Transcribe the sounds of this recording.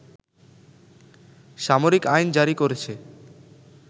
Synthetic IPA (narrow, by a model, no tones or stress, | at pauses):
ʃamoɾikajnd͡ʑaɾikoɾet͡ɕʰe